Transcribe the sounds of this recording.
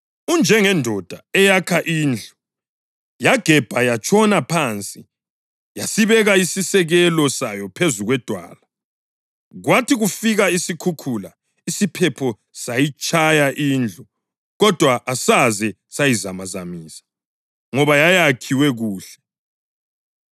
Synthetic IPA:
und͡ʒʱɛŋɛndʱɔd̥ʱaɛjakʰaʔiːnd͡ɮʱu | jaɡ̥ʱɛb̥ʱajat͡ʃʼʰɔnapʰant͡sʼi | jasiβɛɣaisisɛɣɛlɔsajɔpʰezuɣwɛd̥ʱwa̰ːla | ɣwatʰiɣufiɣaisikʰukʰula | isipʰɛpʰɔ | sajit͡ʃʼajaʔiːnd͡ɮʱu | ɣɔd̥ʱwaʔːsazɛ | sajizamazamiːsḁ | ŋɔβajajakʰiwɛɣuːɬɛ̥

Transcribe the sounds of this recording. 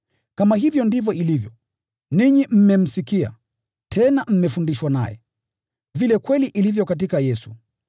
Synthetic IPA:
kamahivjɔndivjɔʔilivjɔ | niɲim̩mɛm̩sikia̰ | tʰɛnam̩mɛfundiʃwana̰jɛ̰ | vilɛkwɛliʔilivjɔkat̬ikajɛsu̥

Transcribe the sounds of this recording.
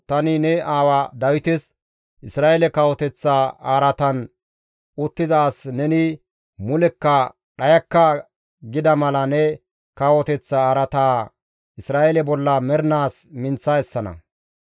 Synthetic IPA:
t̪ɐnɪnɛʔaːwad̪ɐwɪt̪ɛs | ʔɪsɾaːʔɛlɛkɐwɔt̪ɛt͡sːaaːɾɐt̪ɐn | ʔʊt̪ːɪzaːsnɛnɪ | mʊlɛkːɐ | ɗɐjɐkːɐ | ɡɪd̪ɐmɐlɐnɛ | kɐwɔt̪ɛt͡sːaaːɾɐt̪aː | ʔɪsɾaːʔɛlɛbɔlːɐmɛɾnaːsmɪnt͡sːaɛsːɐnɐ̰

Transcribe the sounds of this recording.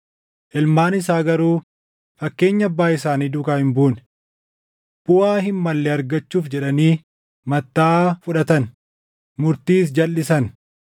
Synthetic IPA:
ʔɪlmaːnɪsaːɡɐɾuː | fɐkːe̞ːɲːɐɐbːaːɪsaːniːd̪ʊkaːhɪmbuːn | bʊwaːɦɪmːɐlːɛɐɾɡɐt͡ʃːuːfd͡ʒɛᶑɐniː | mɐt̪ːaːfʊᶑɐt̪ɐn | mʊɾt̪iːs̬d͡ʒɐlːɪsɐn

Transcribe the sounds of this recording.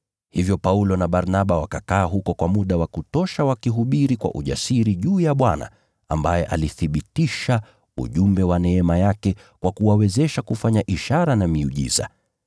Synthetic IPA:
hivjɔpaulɔnaɓaɾnaɓawakakaːɦukɔkwamuɗawakutɔʃawakiɦuɓiɾikwa̰ʔuʄa̰siɾiʄuːjaɓwana̰ | a̰mbajɛʔa̰liθiɓitiʃa | ṵʄumbɛwanɛɛmajakɛ | kwakuwawɛzɛʃakufaɲaʔiʃaɾanamiuʄḭza̰

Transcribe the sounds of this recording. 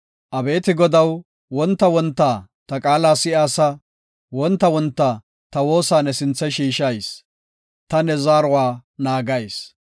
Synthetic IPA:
ʔɐbe̞ːt̪ɪɡɔd̪ɐw | wɔnt̪ːɐwɔnt̪ːaːt̪ɐkʼaːlaːsɪʔaːsɐ | wɔnt̪ːɐwɔnt̪ːa | t̪ɐwo̞ːsaːnːɛsɪnt͡sːɐjʃiːʃɐjs | t̪ɐnɛzaːɾɔwaːnaːɡɐjs

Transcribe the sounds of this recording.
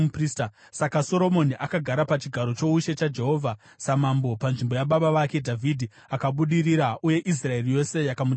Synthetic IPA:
uprista | sakaso̞ɾo̞mo̞niʔakaɡʱaɾapat͡ʃiɡʱaɾo̞t͡ʃo̞uʃe̞t͡ʃad͡ʒe̞ɦo̞vʱa | samambo̞panʐimbo̞jaɓaɓaʋake̞dʱavʱidʱi | akaɓuɗiriɾauje̞ʔis̬rae̞rije̞se̞jakamu

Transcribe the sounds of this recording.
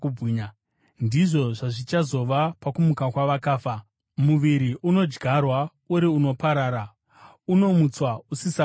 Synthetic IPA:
uiɲa | ndiʐo̞ʐaʐit͡ʃazo̞ʋapakumukakwaʋakaːfa | muʋiɾiʔuno̞d͡ʒɡʱarwa | uɾiuno̞paɾaːɾa | uno̞mut͡swausisa

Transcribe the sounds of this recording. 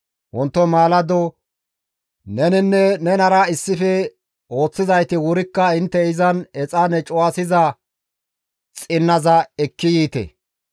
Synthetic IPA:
wɔnt̪ːɔmaːlɐd̪ɔ | nɛnɪnːɛnɛnɐɾɐɪsːɪfɛ | o̞ːt͡sːɪzɐjt̪ɪwʊɾɪkːɐɪnt̪ːɛɪzɐnɛt͡sʼɐnɛt͡ʃʼʊwasɪzɐ | t͡sʼɪnːɐzɐɛkːɪjiːt̪ɛ̰

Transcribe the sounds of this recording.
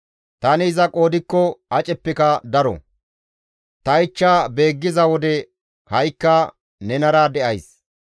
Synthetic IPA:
t̪ɐnɪːzɐkʼo̞ːd̪ɪkːɔɐt͡ʃʼɛpːɪkɐd̪ɐɾɔ̰ | t̪ɐɪt͡ʃːaːbe̞ːɡːɪzɐwɔd̪ɛ | hɐjkːɐ | nɛnɐɾɐd̪ɛʔɐjs

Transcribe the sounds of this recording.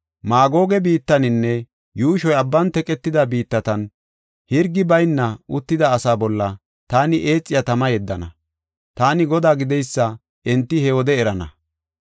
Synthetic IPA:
maːɡo̞ːɡɛbiːt̪ːɐnɪnːɛ | juːʃɔjɐbːɐnt̪ɛkʼɛt̪ːɪd̪ɐbiːt̪ːɐt̪ɐn | hɪɾɡɪbɐjnːɐʊt̪ːɪd̪ɐːsaːbɔlːɐ | t̪aːnɪʔe̞ːt͡sʼːɪjat̪ɐmɐjɛd̪ːɐnɐ̰ | t̪aːnɪɡɔd̪aːɡɪd̪ɛjsːɐ | ɛnt̪ːɪhɛwɔd̪ɛɛɾɐnɐ̰

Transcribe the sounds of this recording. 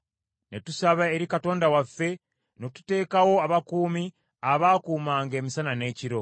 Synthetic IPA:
ne̞tusaβaeɾikato̞ːndawafːe̞ | no̞tu̥te̞ːkawo̞aβakuːmi | aβaːkuːmaːŋɡe̞ːmisanane̞ːciɾo̞

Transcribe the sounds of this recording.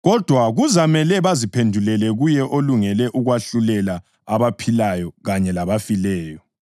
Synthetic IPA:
ɣɔd̥ʱwaɣuzamɛlɛβazipʰendʱulɛlɛɣujɛʔoluŋɛlɛʔuɣwaɬulɛla | aβapʰilajɔɣaɲɛlaβafilɛːjɔ

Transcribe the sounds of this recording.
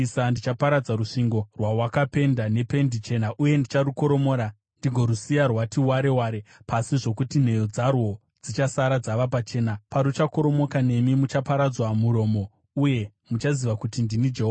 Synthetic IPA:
isandit͡ʃapaɾad͡zaɾuʂiŋɡo̞rwawakape̞ndane̞pe̞ndit͡ʃe̞naʔuje̞ndit͡ʃaruko̞ɾo̞mo̞ːɾa | ndiɡʱo̞ɾusijarwatiwaɾe̞waːɾepasiʐo̞kutin̤e̞jo̞d͡zarwo̞ | d͡zit͡ʃasaɾad͡zaʋapat͡ʃe̞ːnapaɾut͡ʃako̞ɾo̞mo̞kane̞mimut͡ʃapaɾad͡zwamuɾo̞ːmo̞ | uje̞ | mut͡ʃaziʋakutindinid͡ʒeɦova

